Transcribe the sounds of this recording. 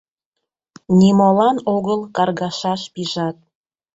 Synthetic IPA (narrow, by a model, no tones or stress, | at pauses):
nimolɑnoɣəlˠkɑrɣɑʃɑʃpiʒɑt̪̚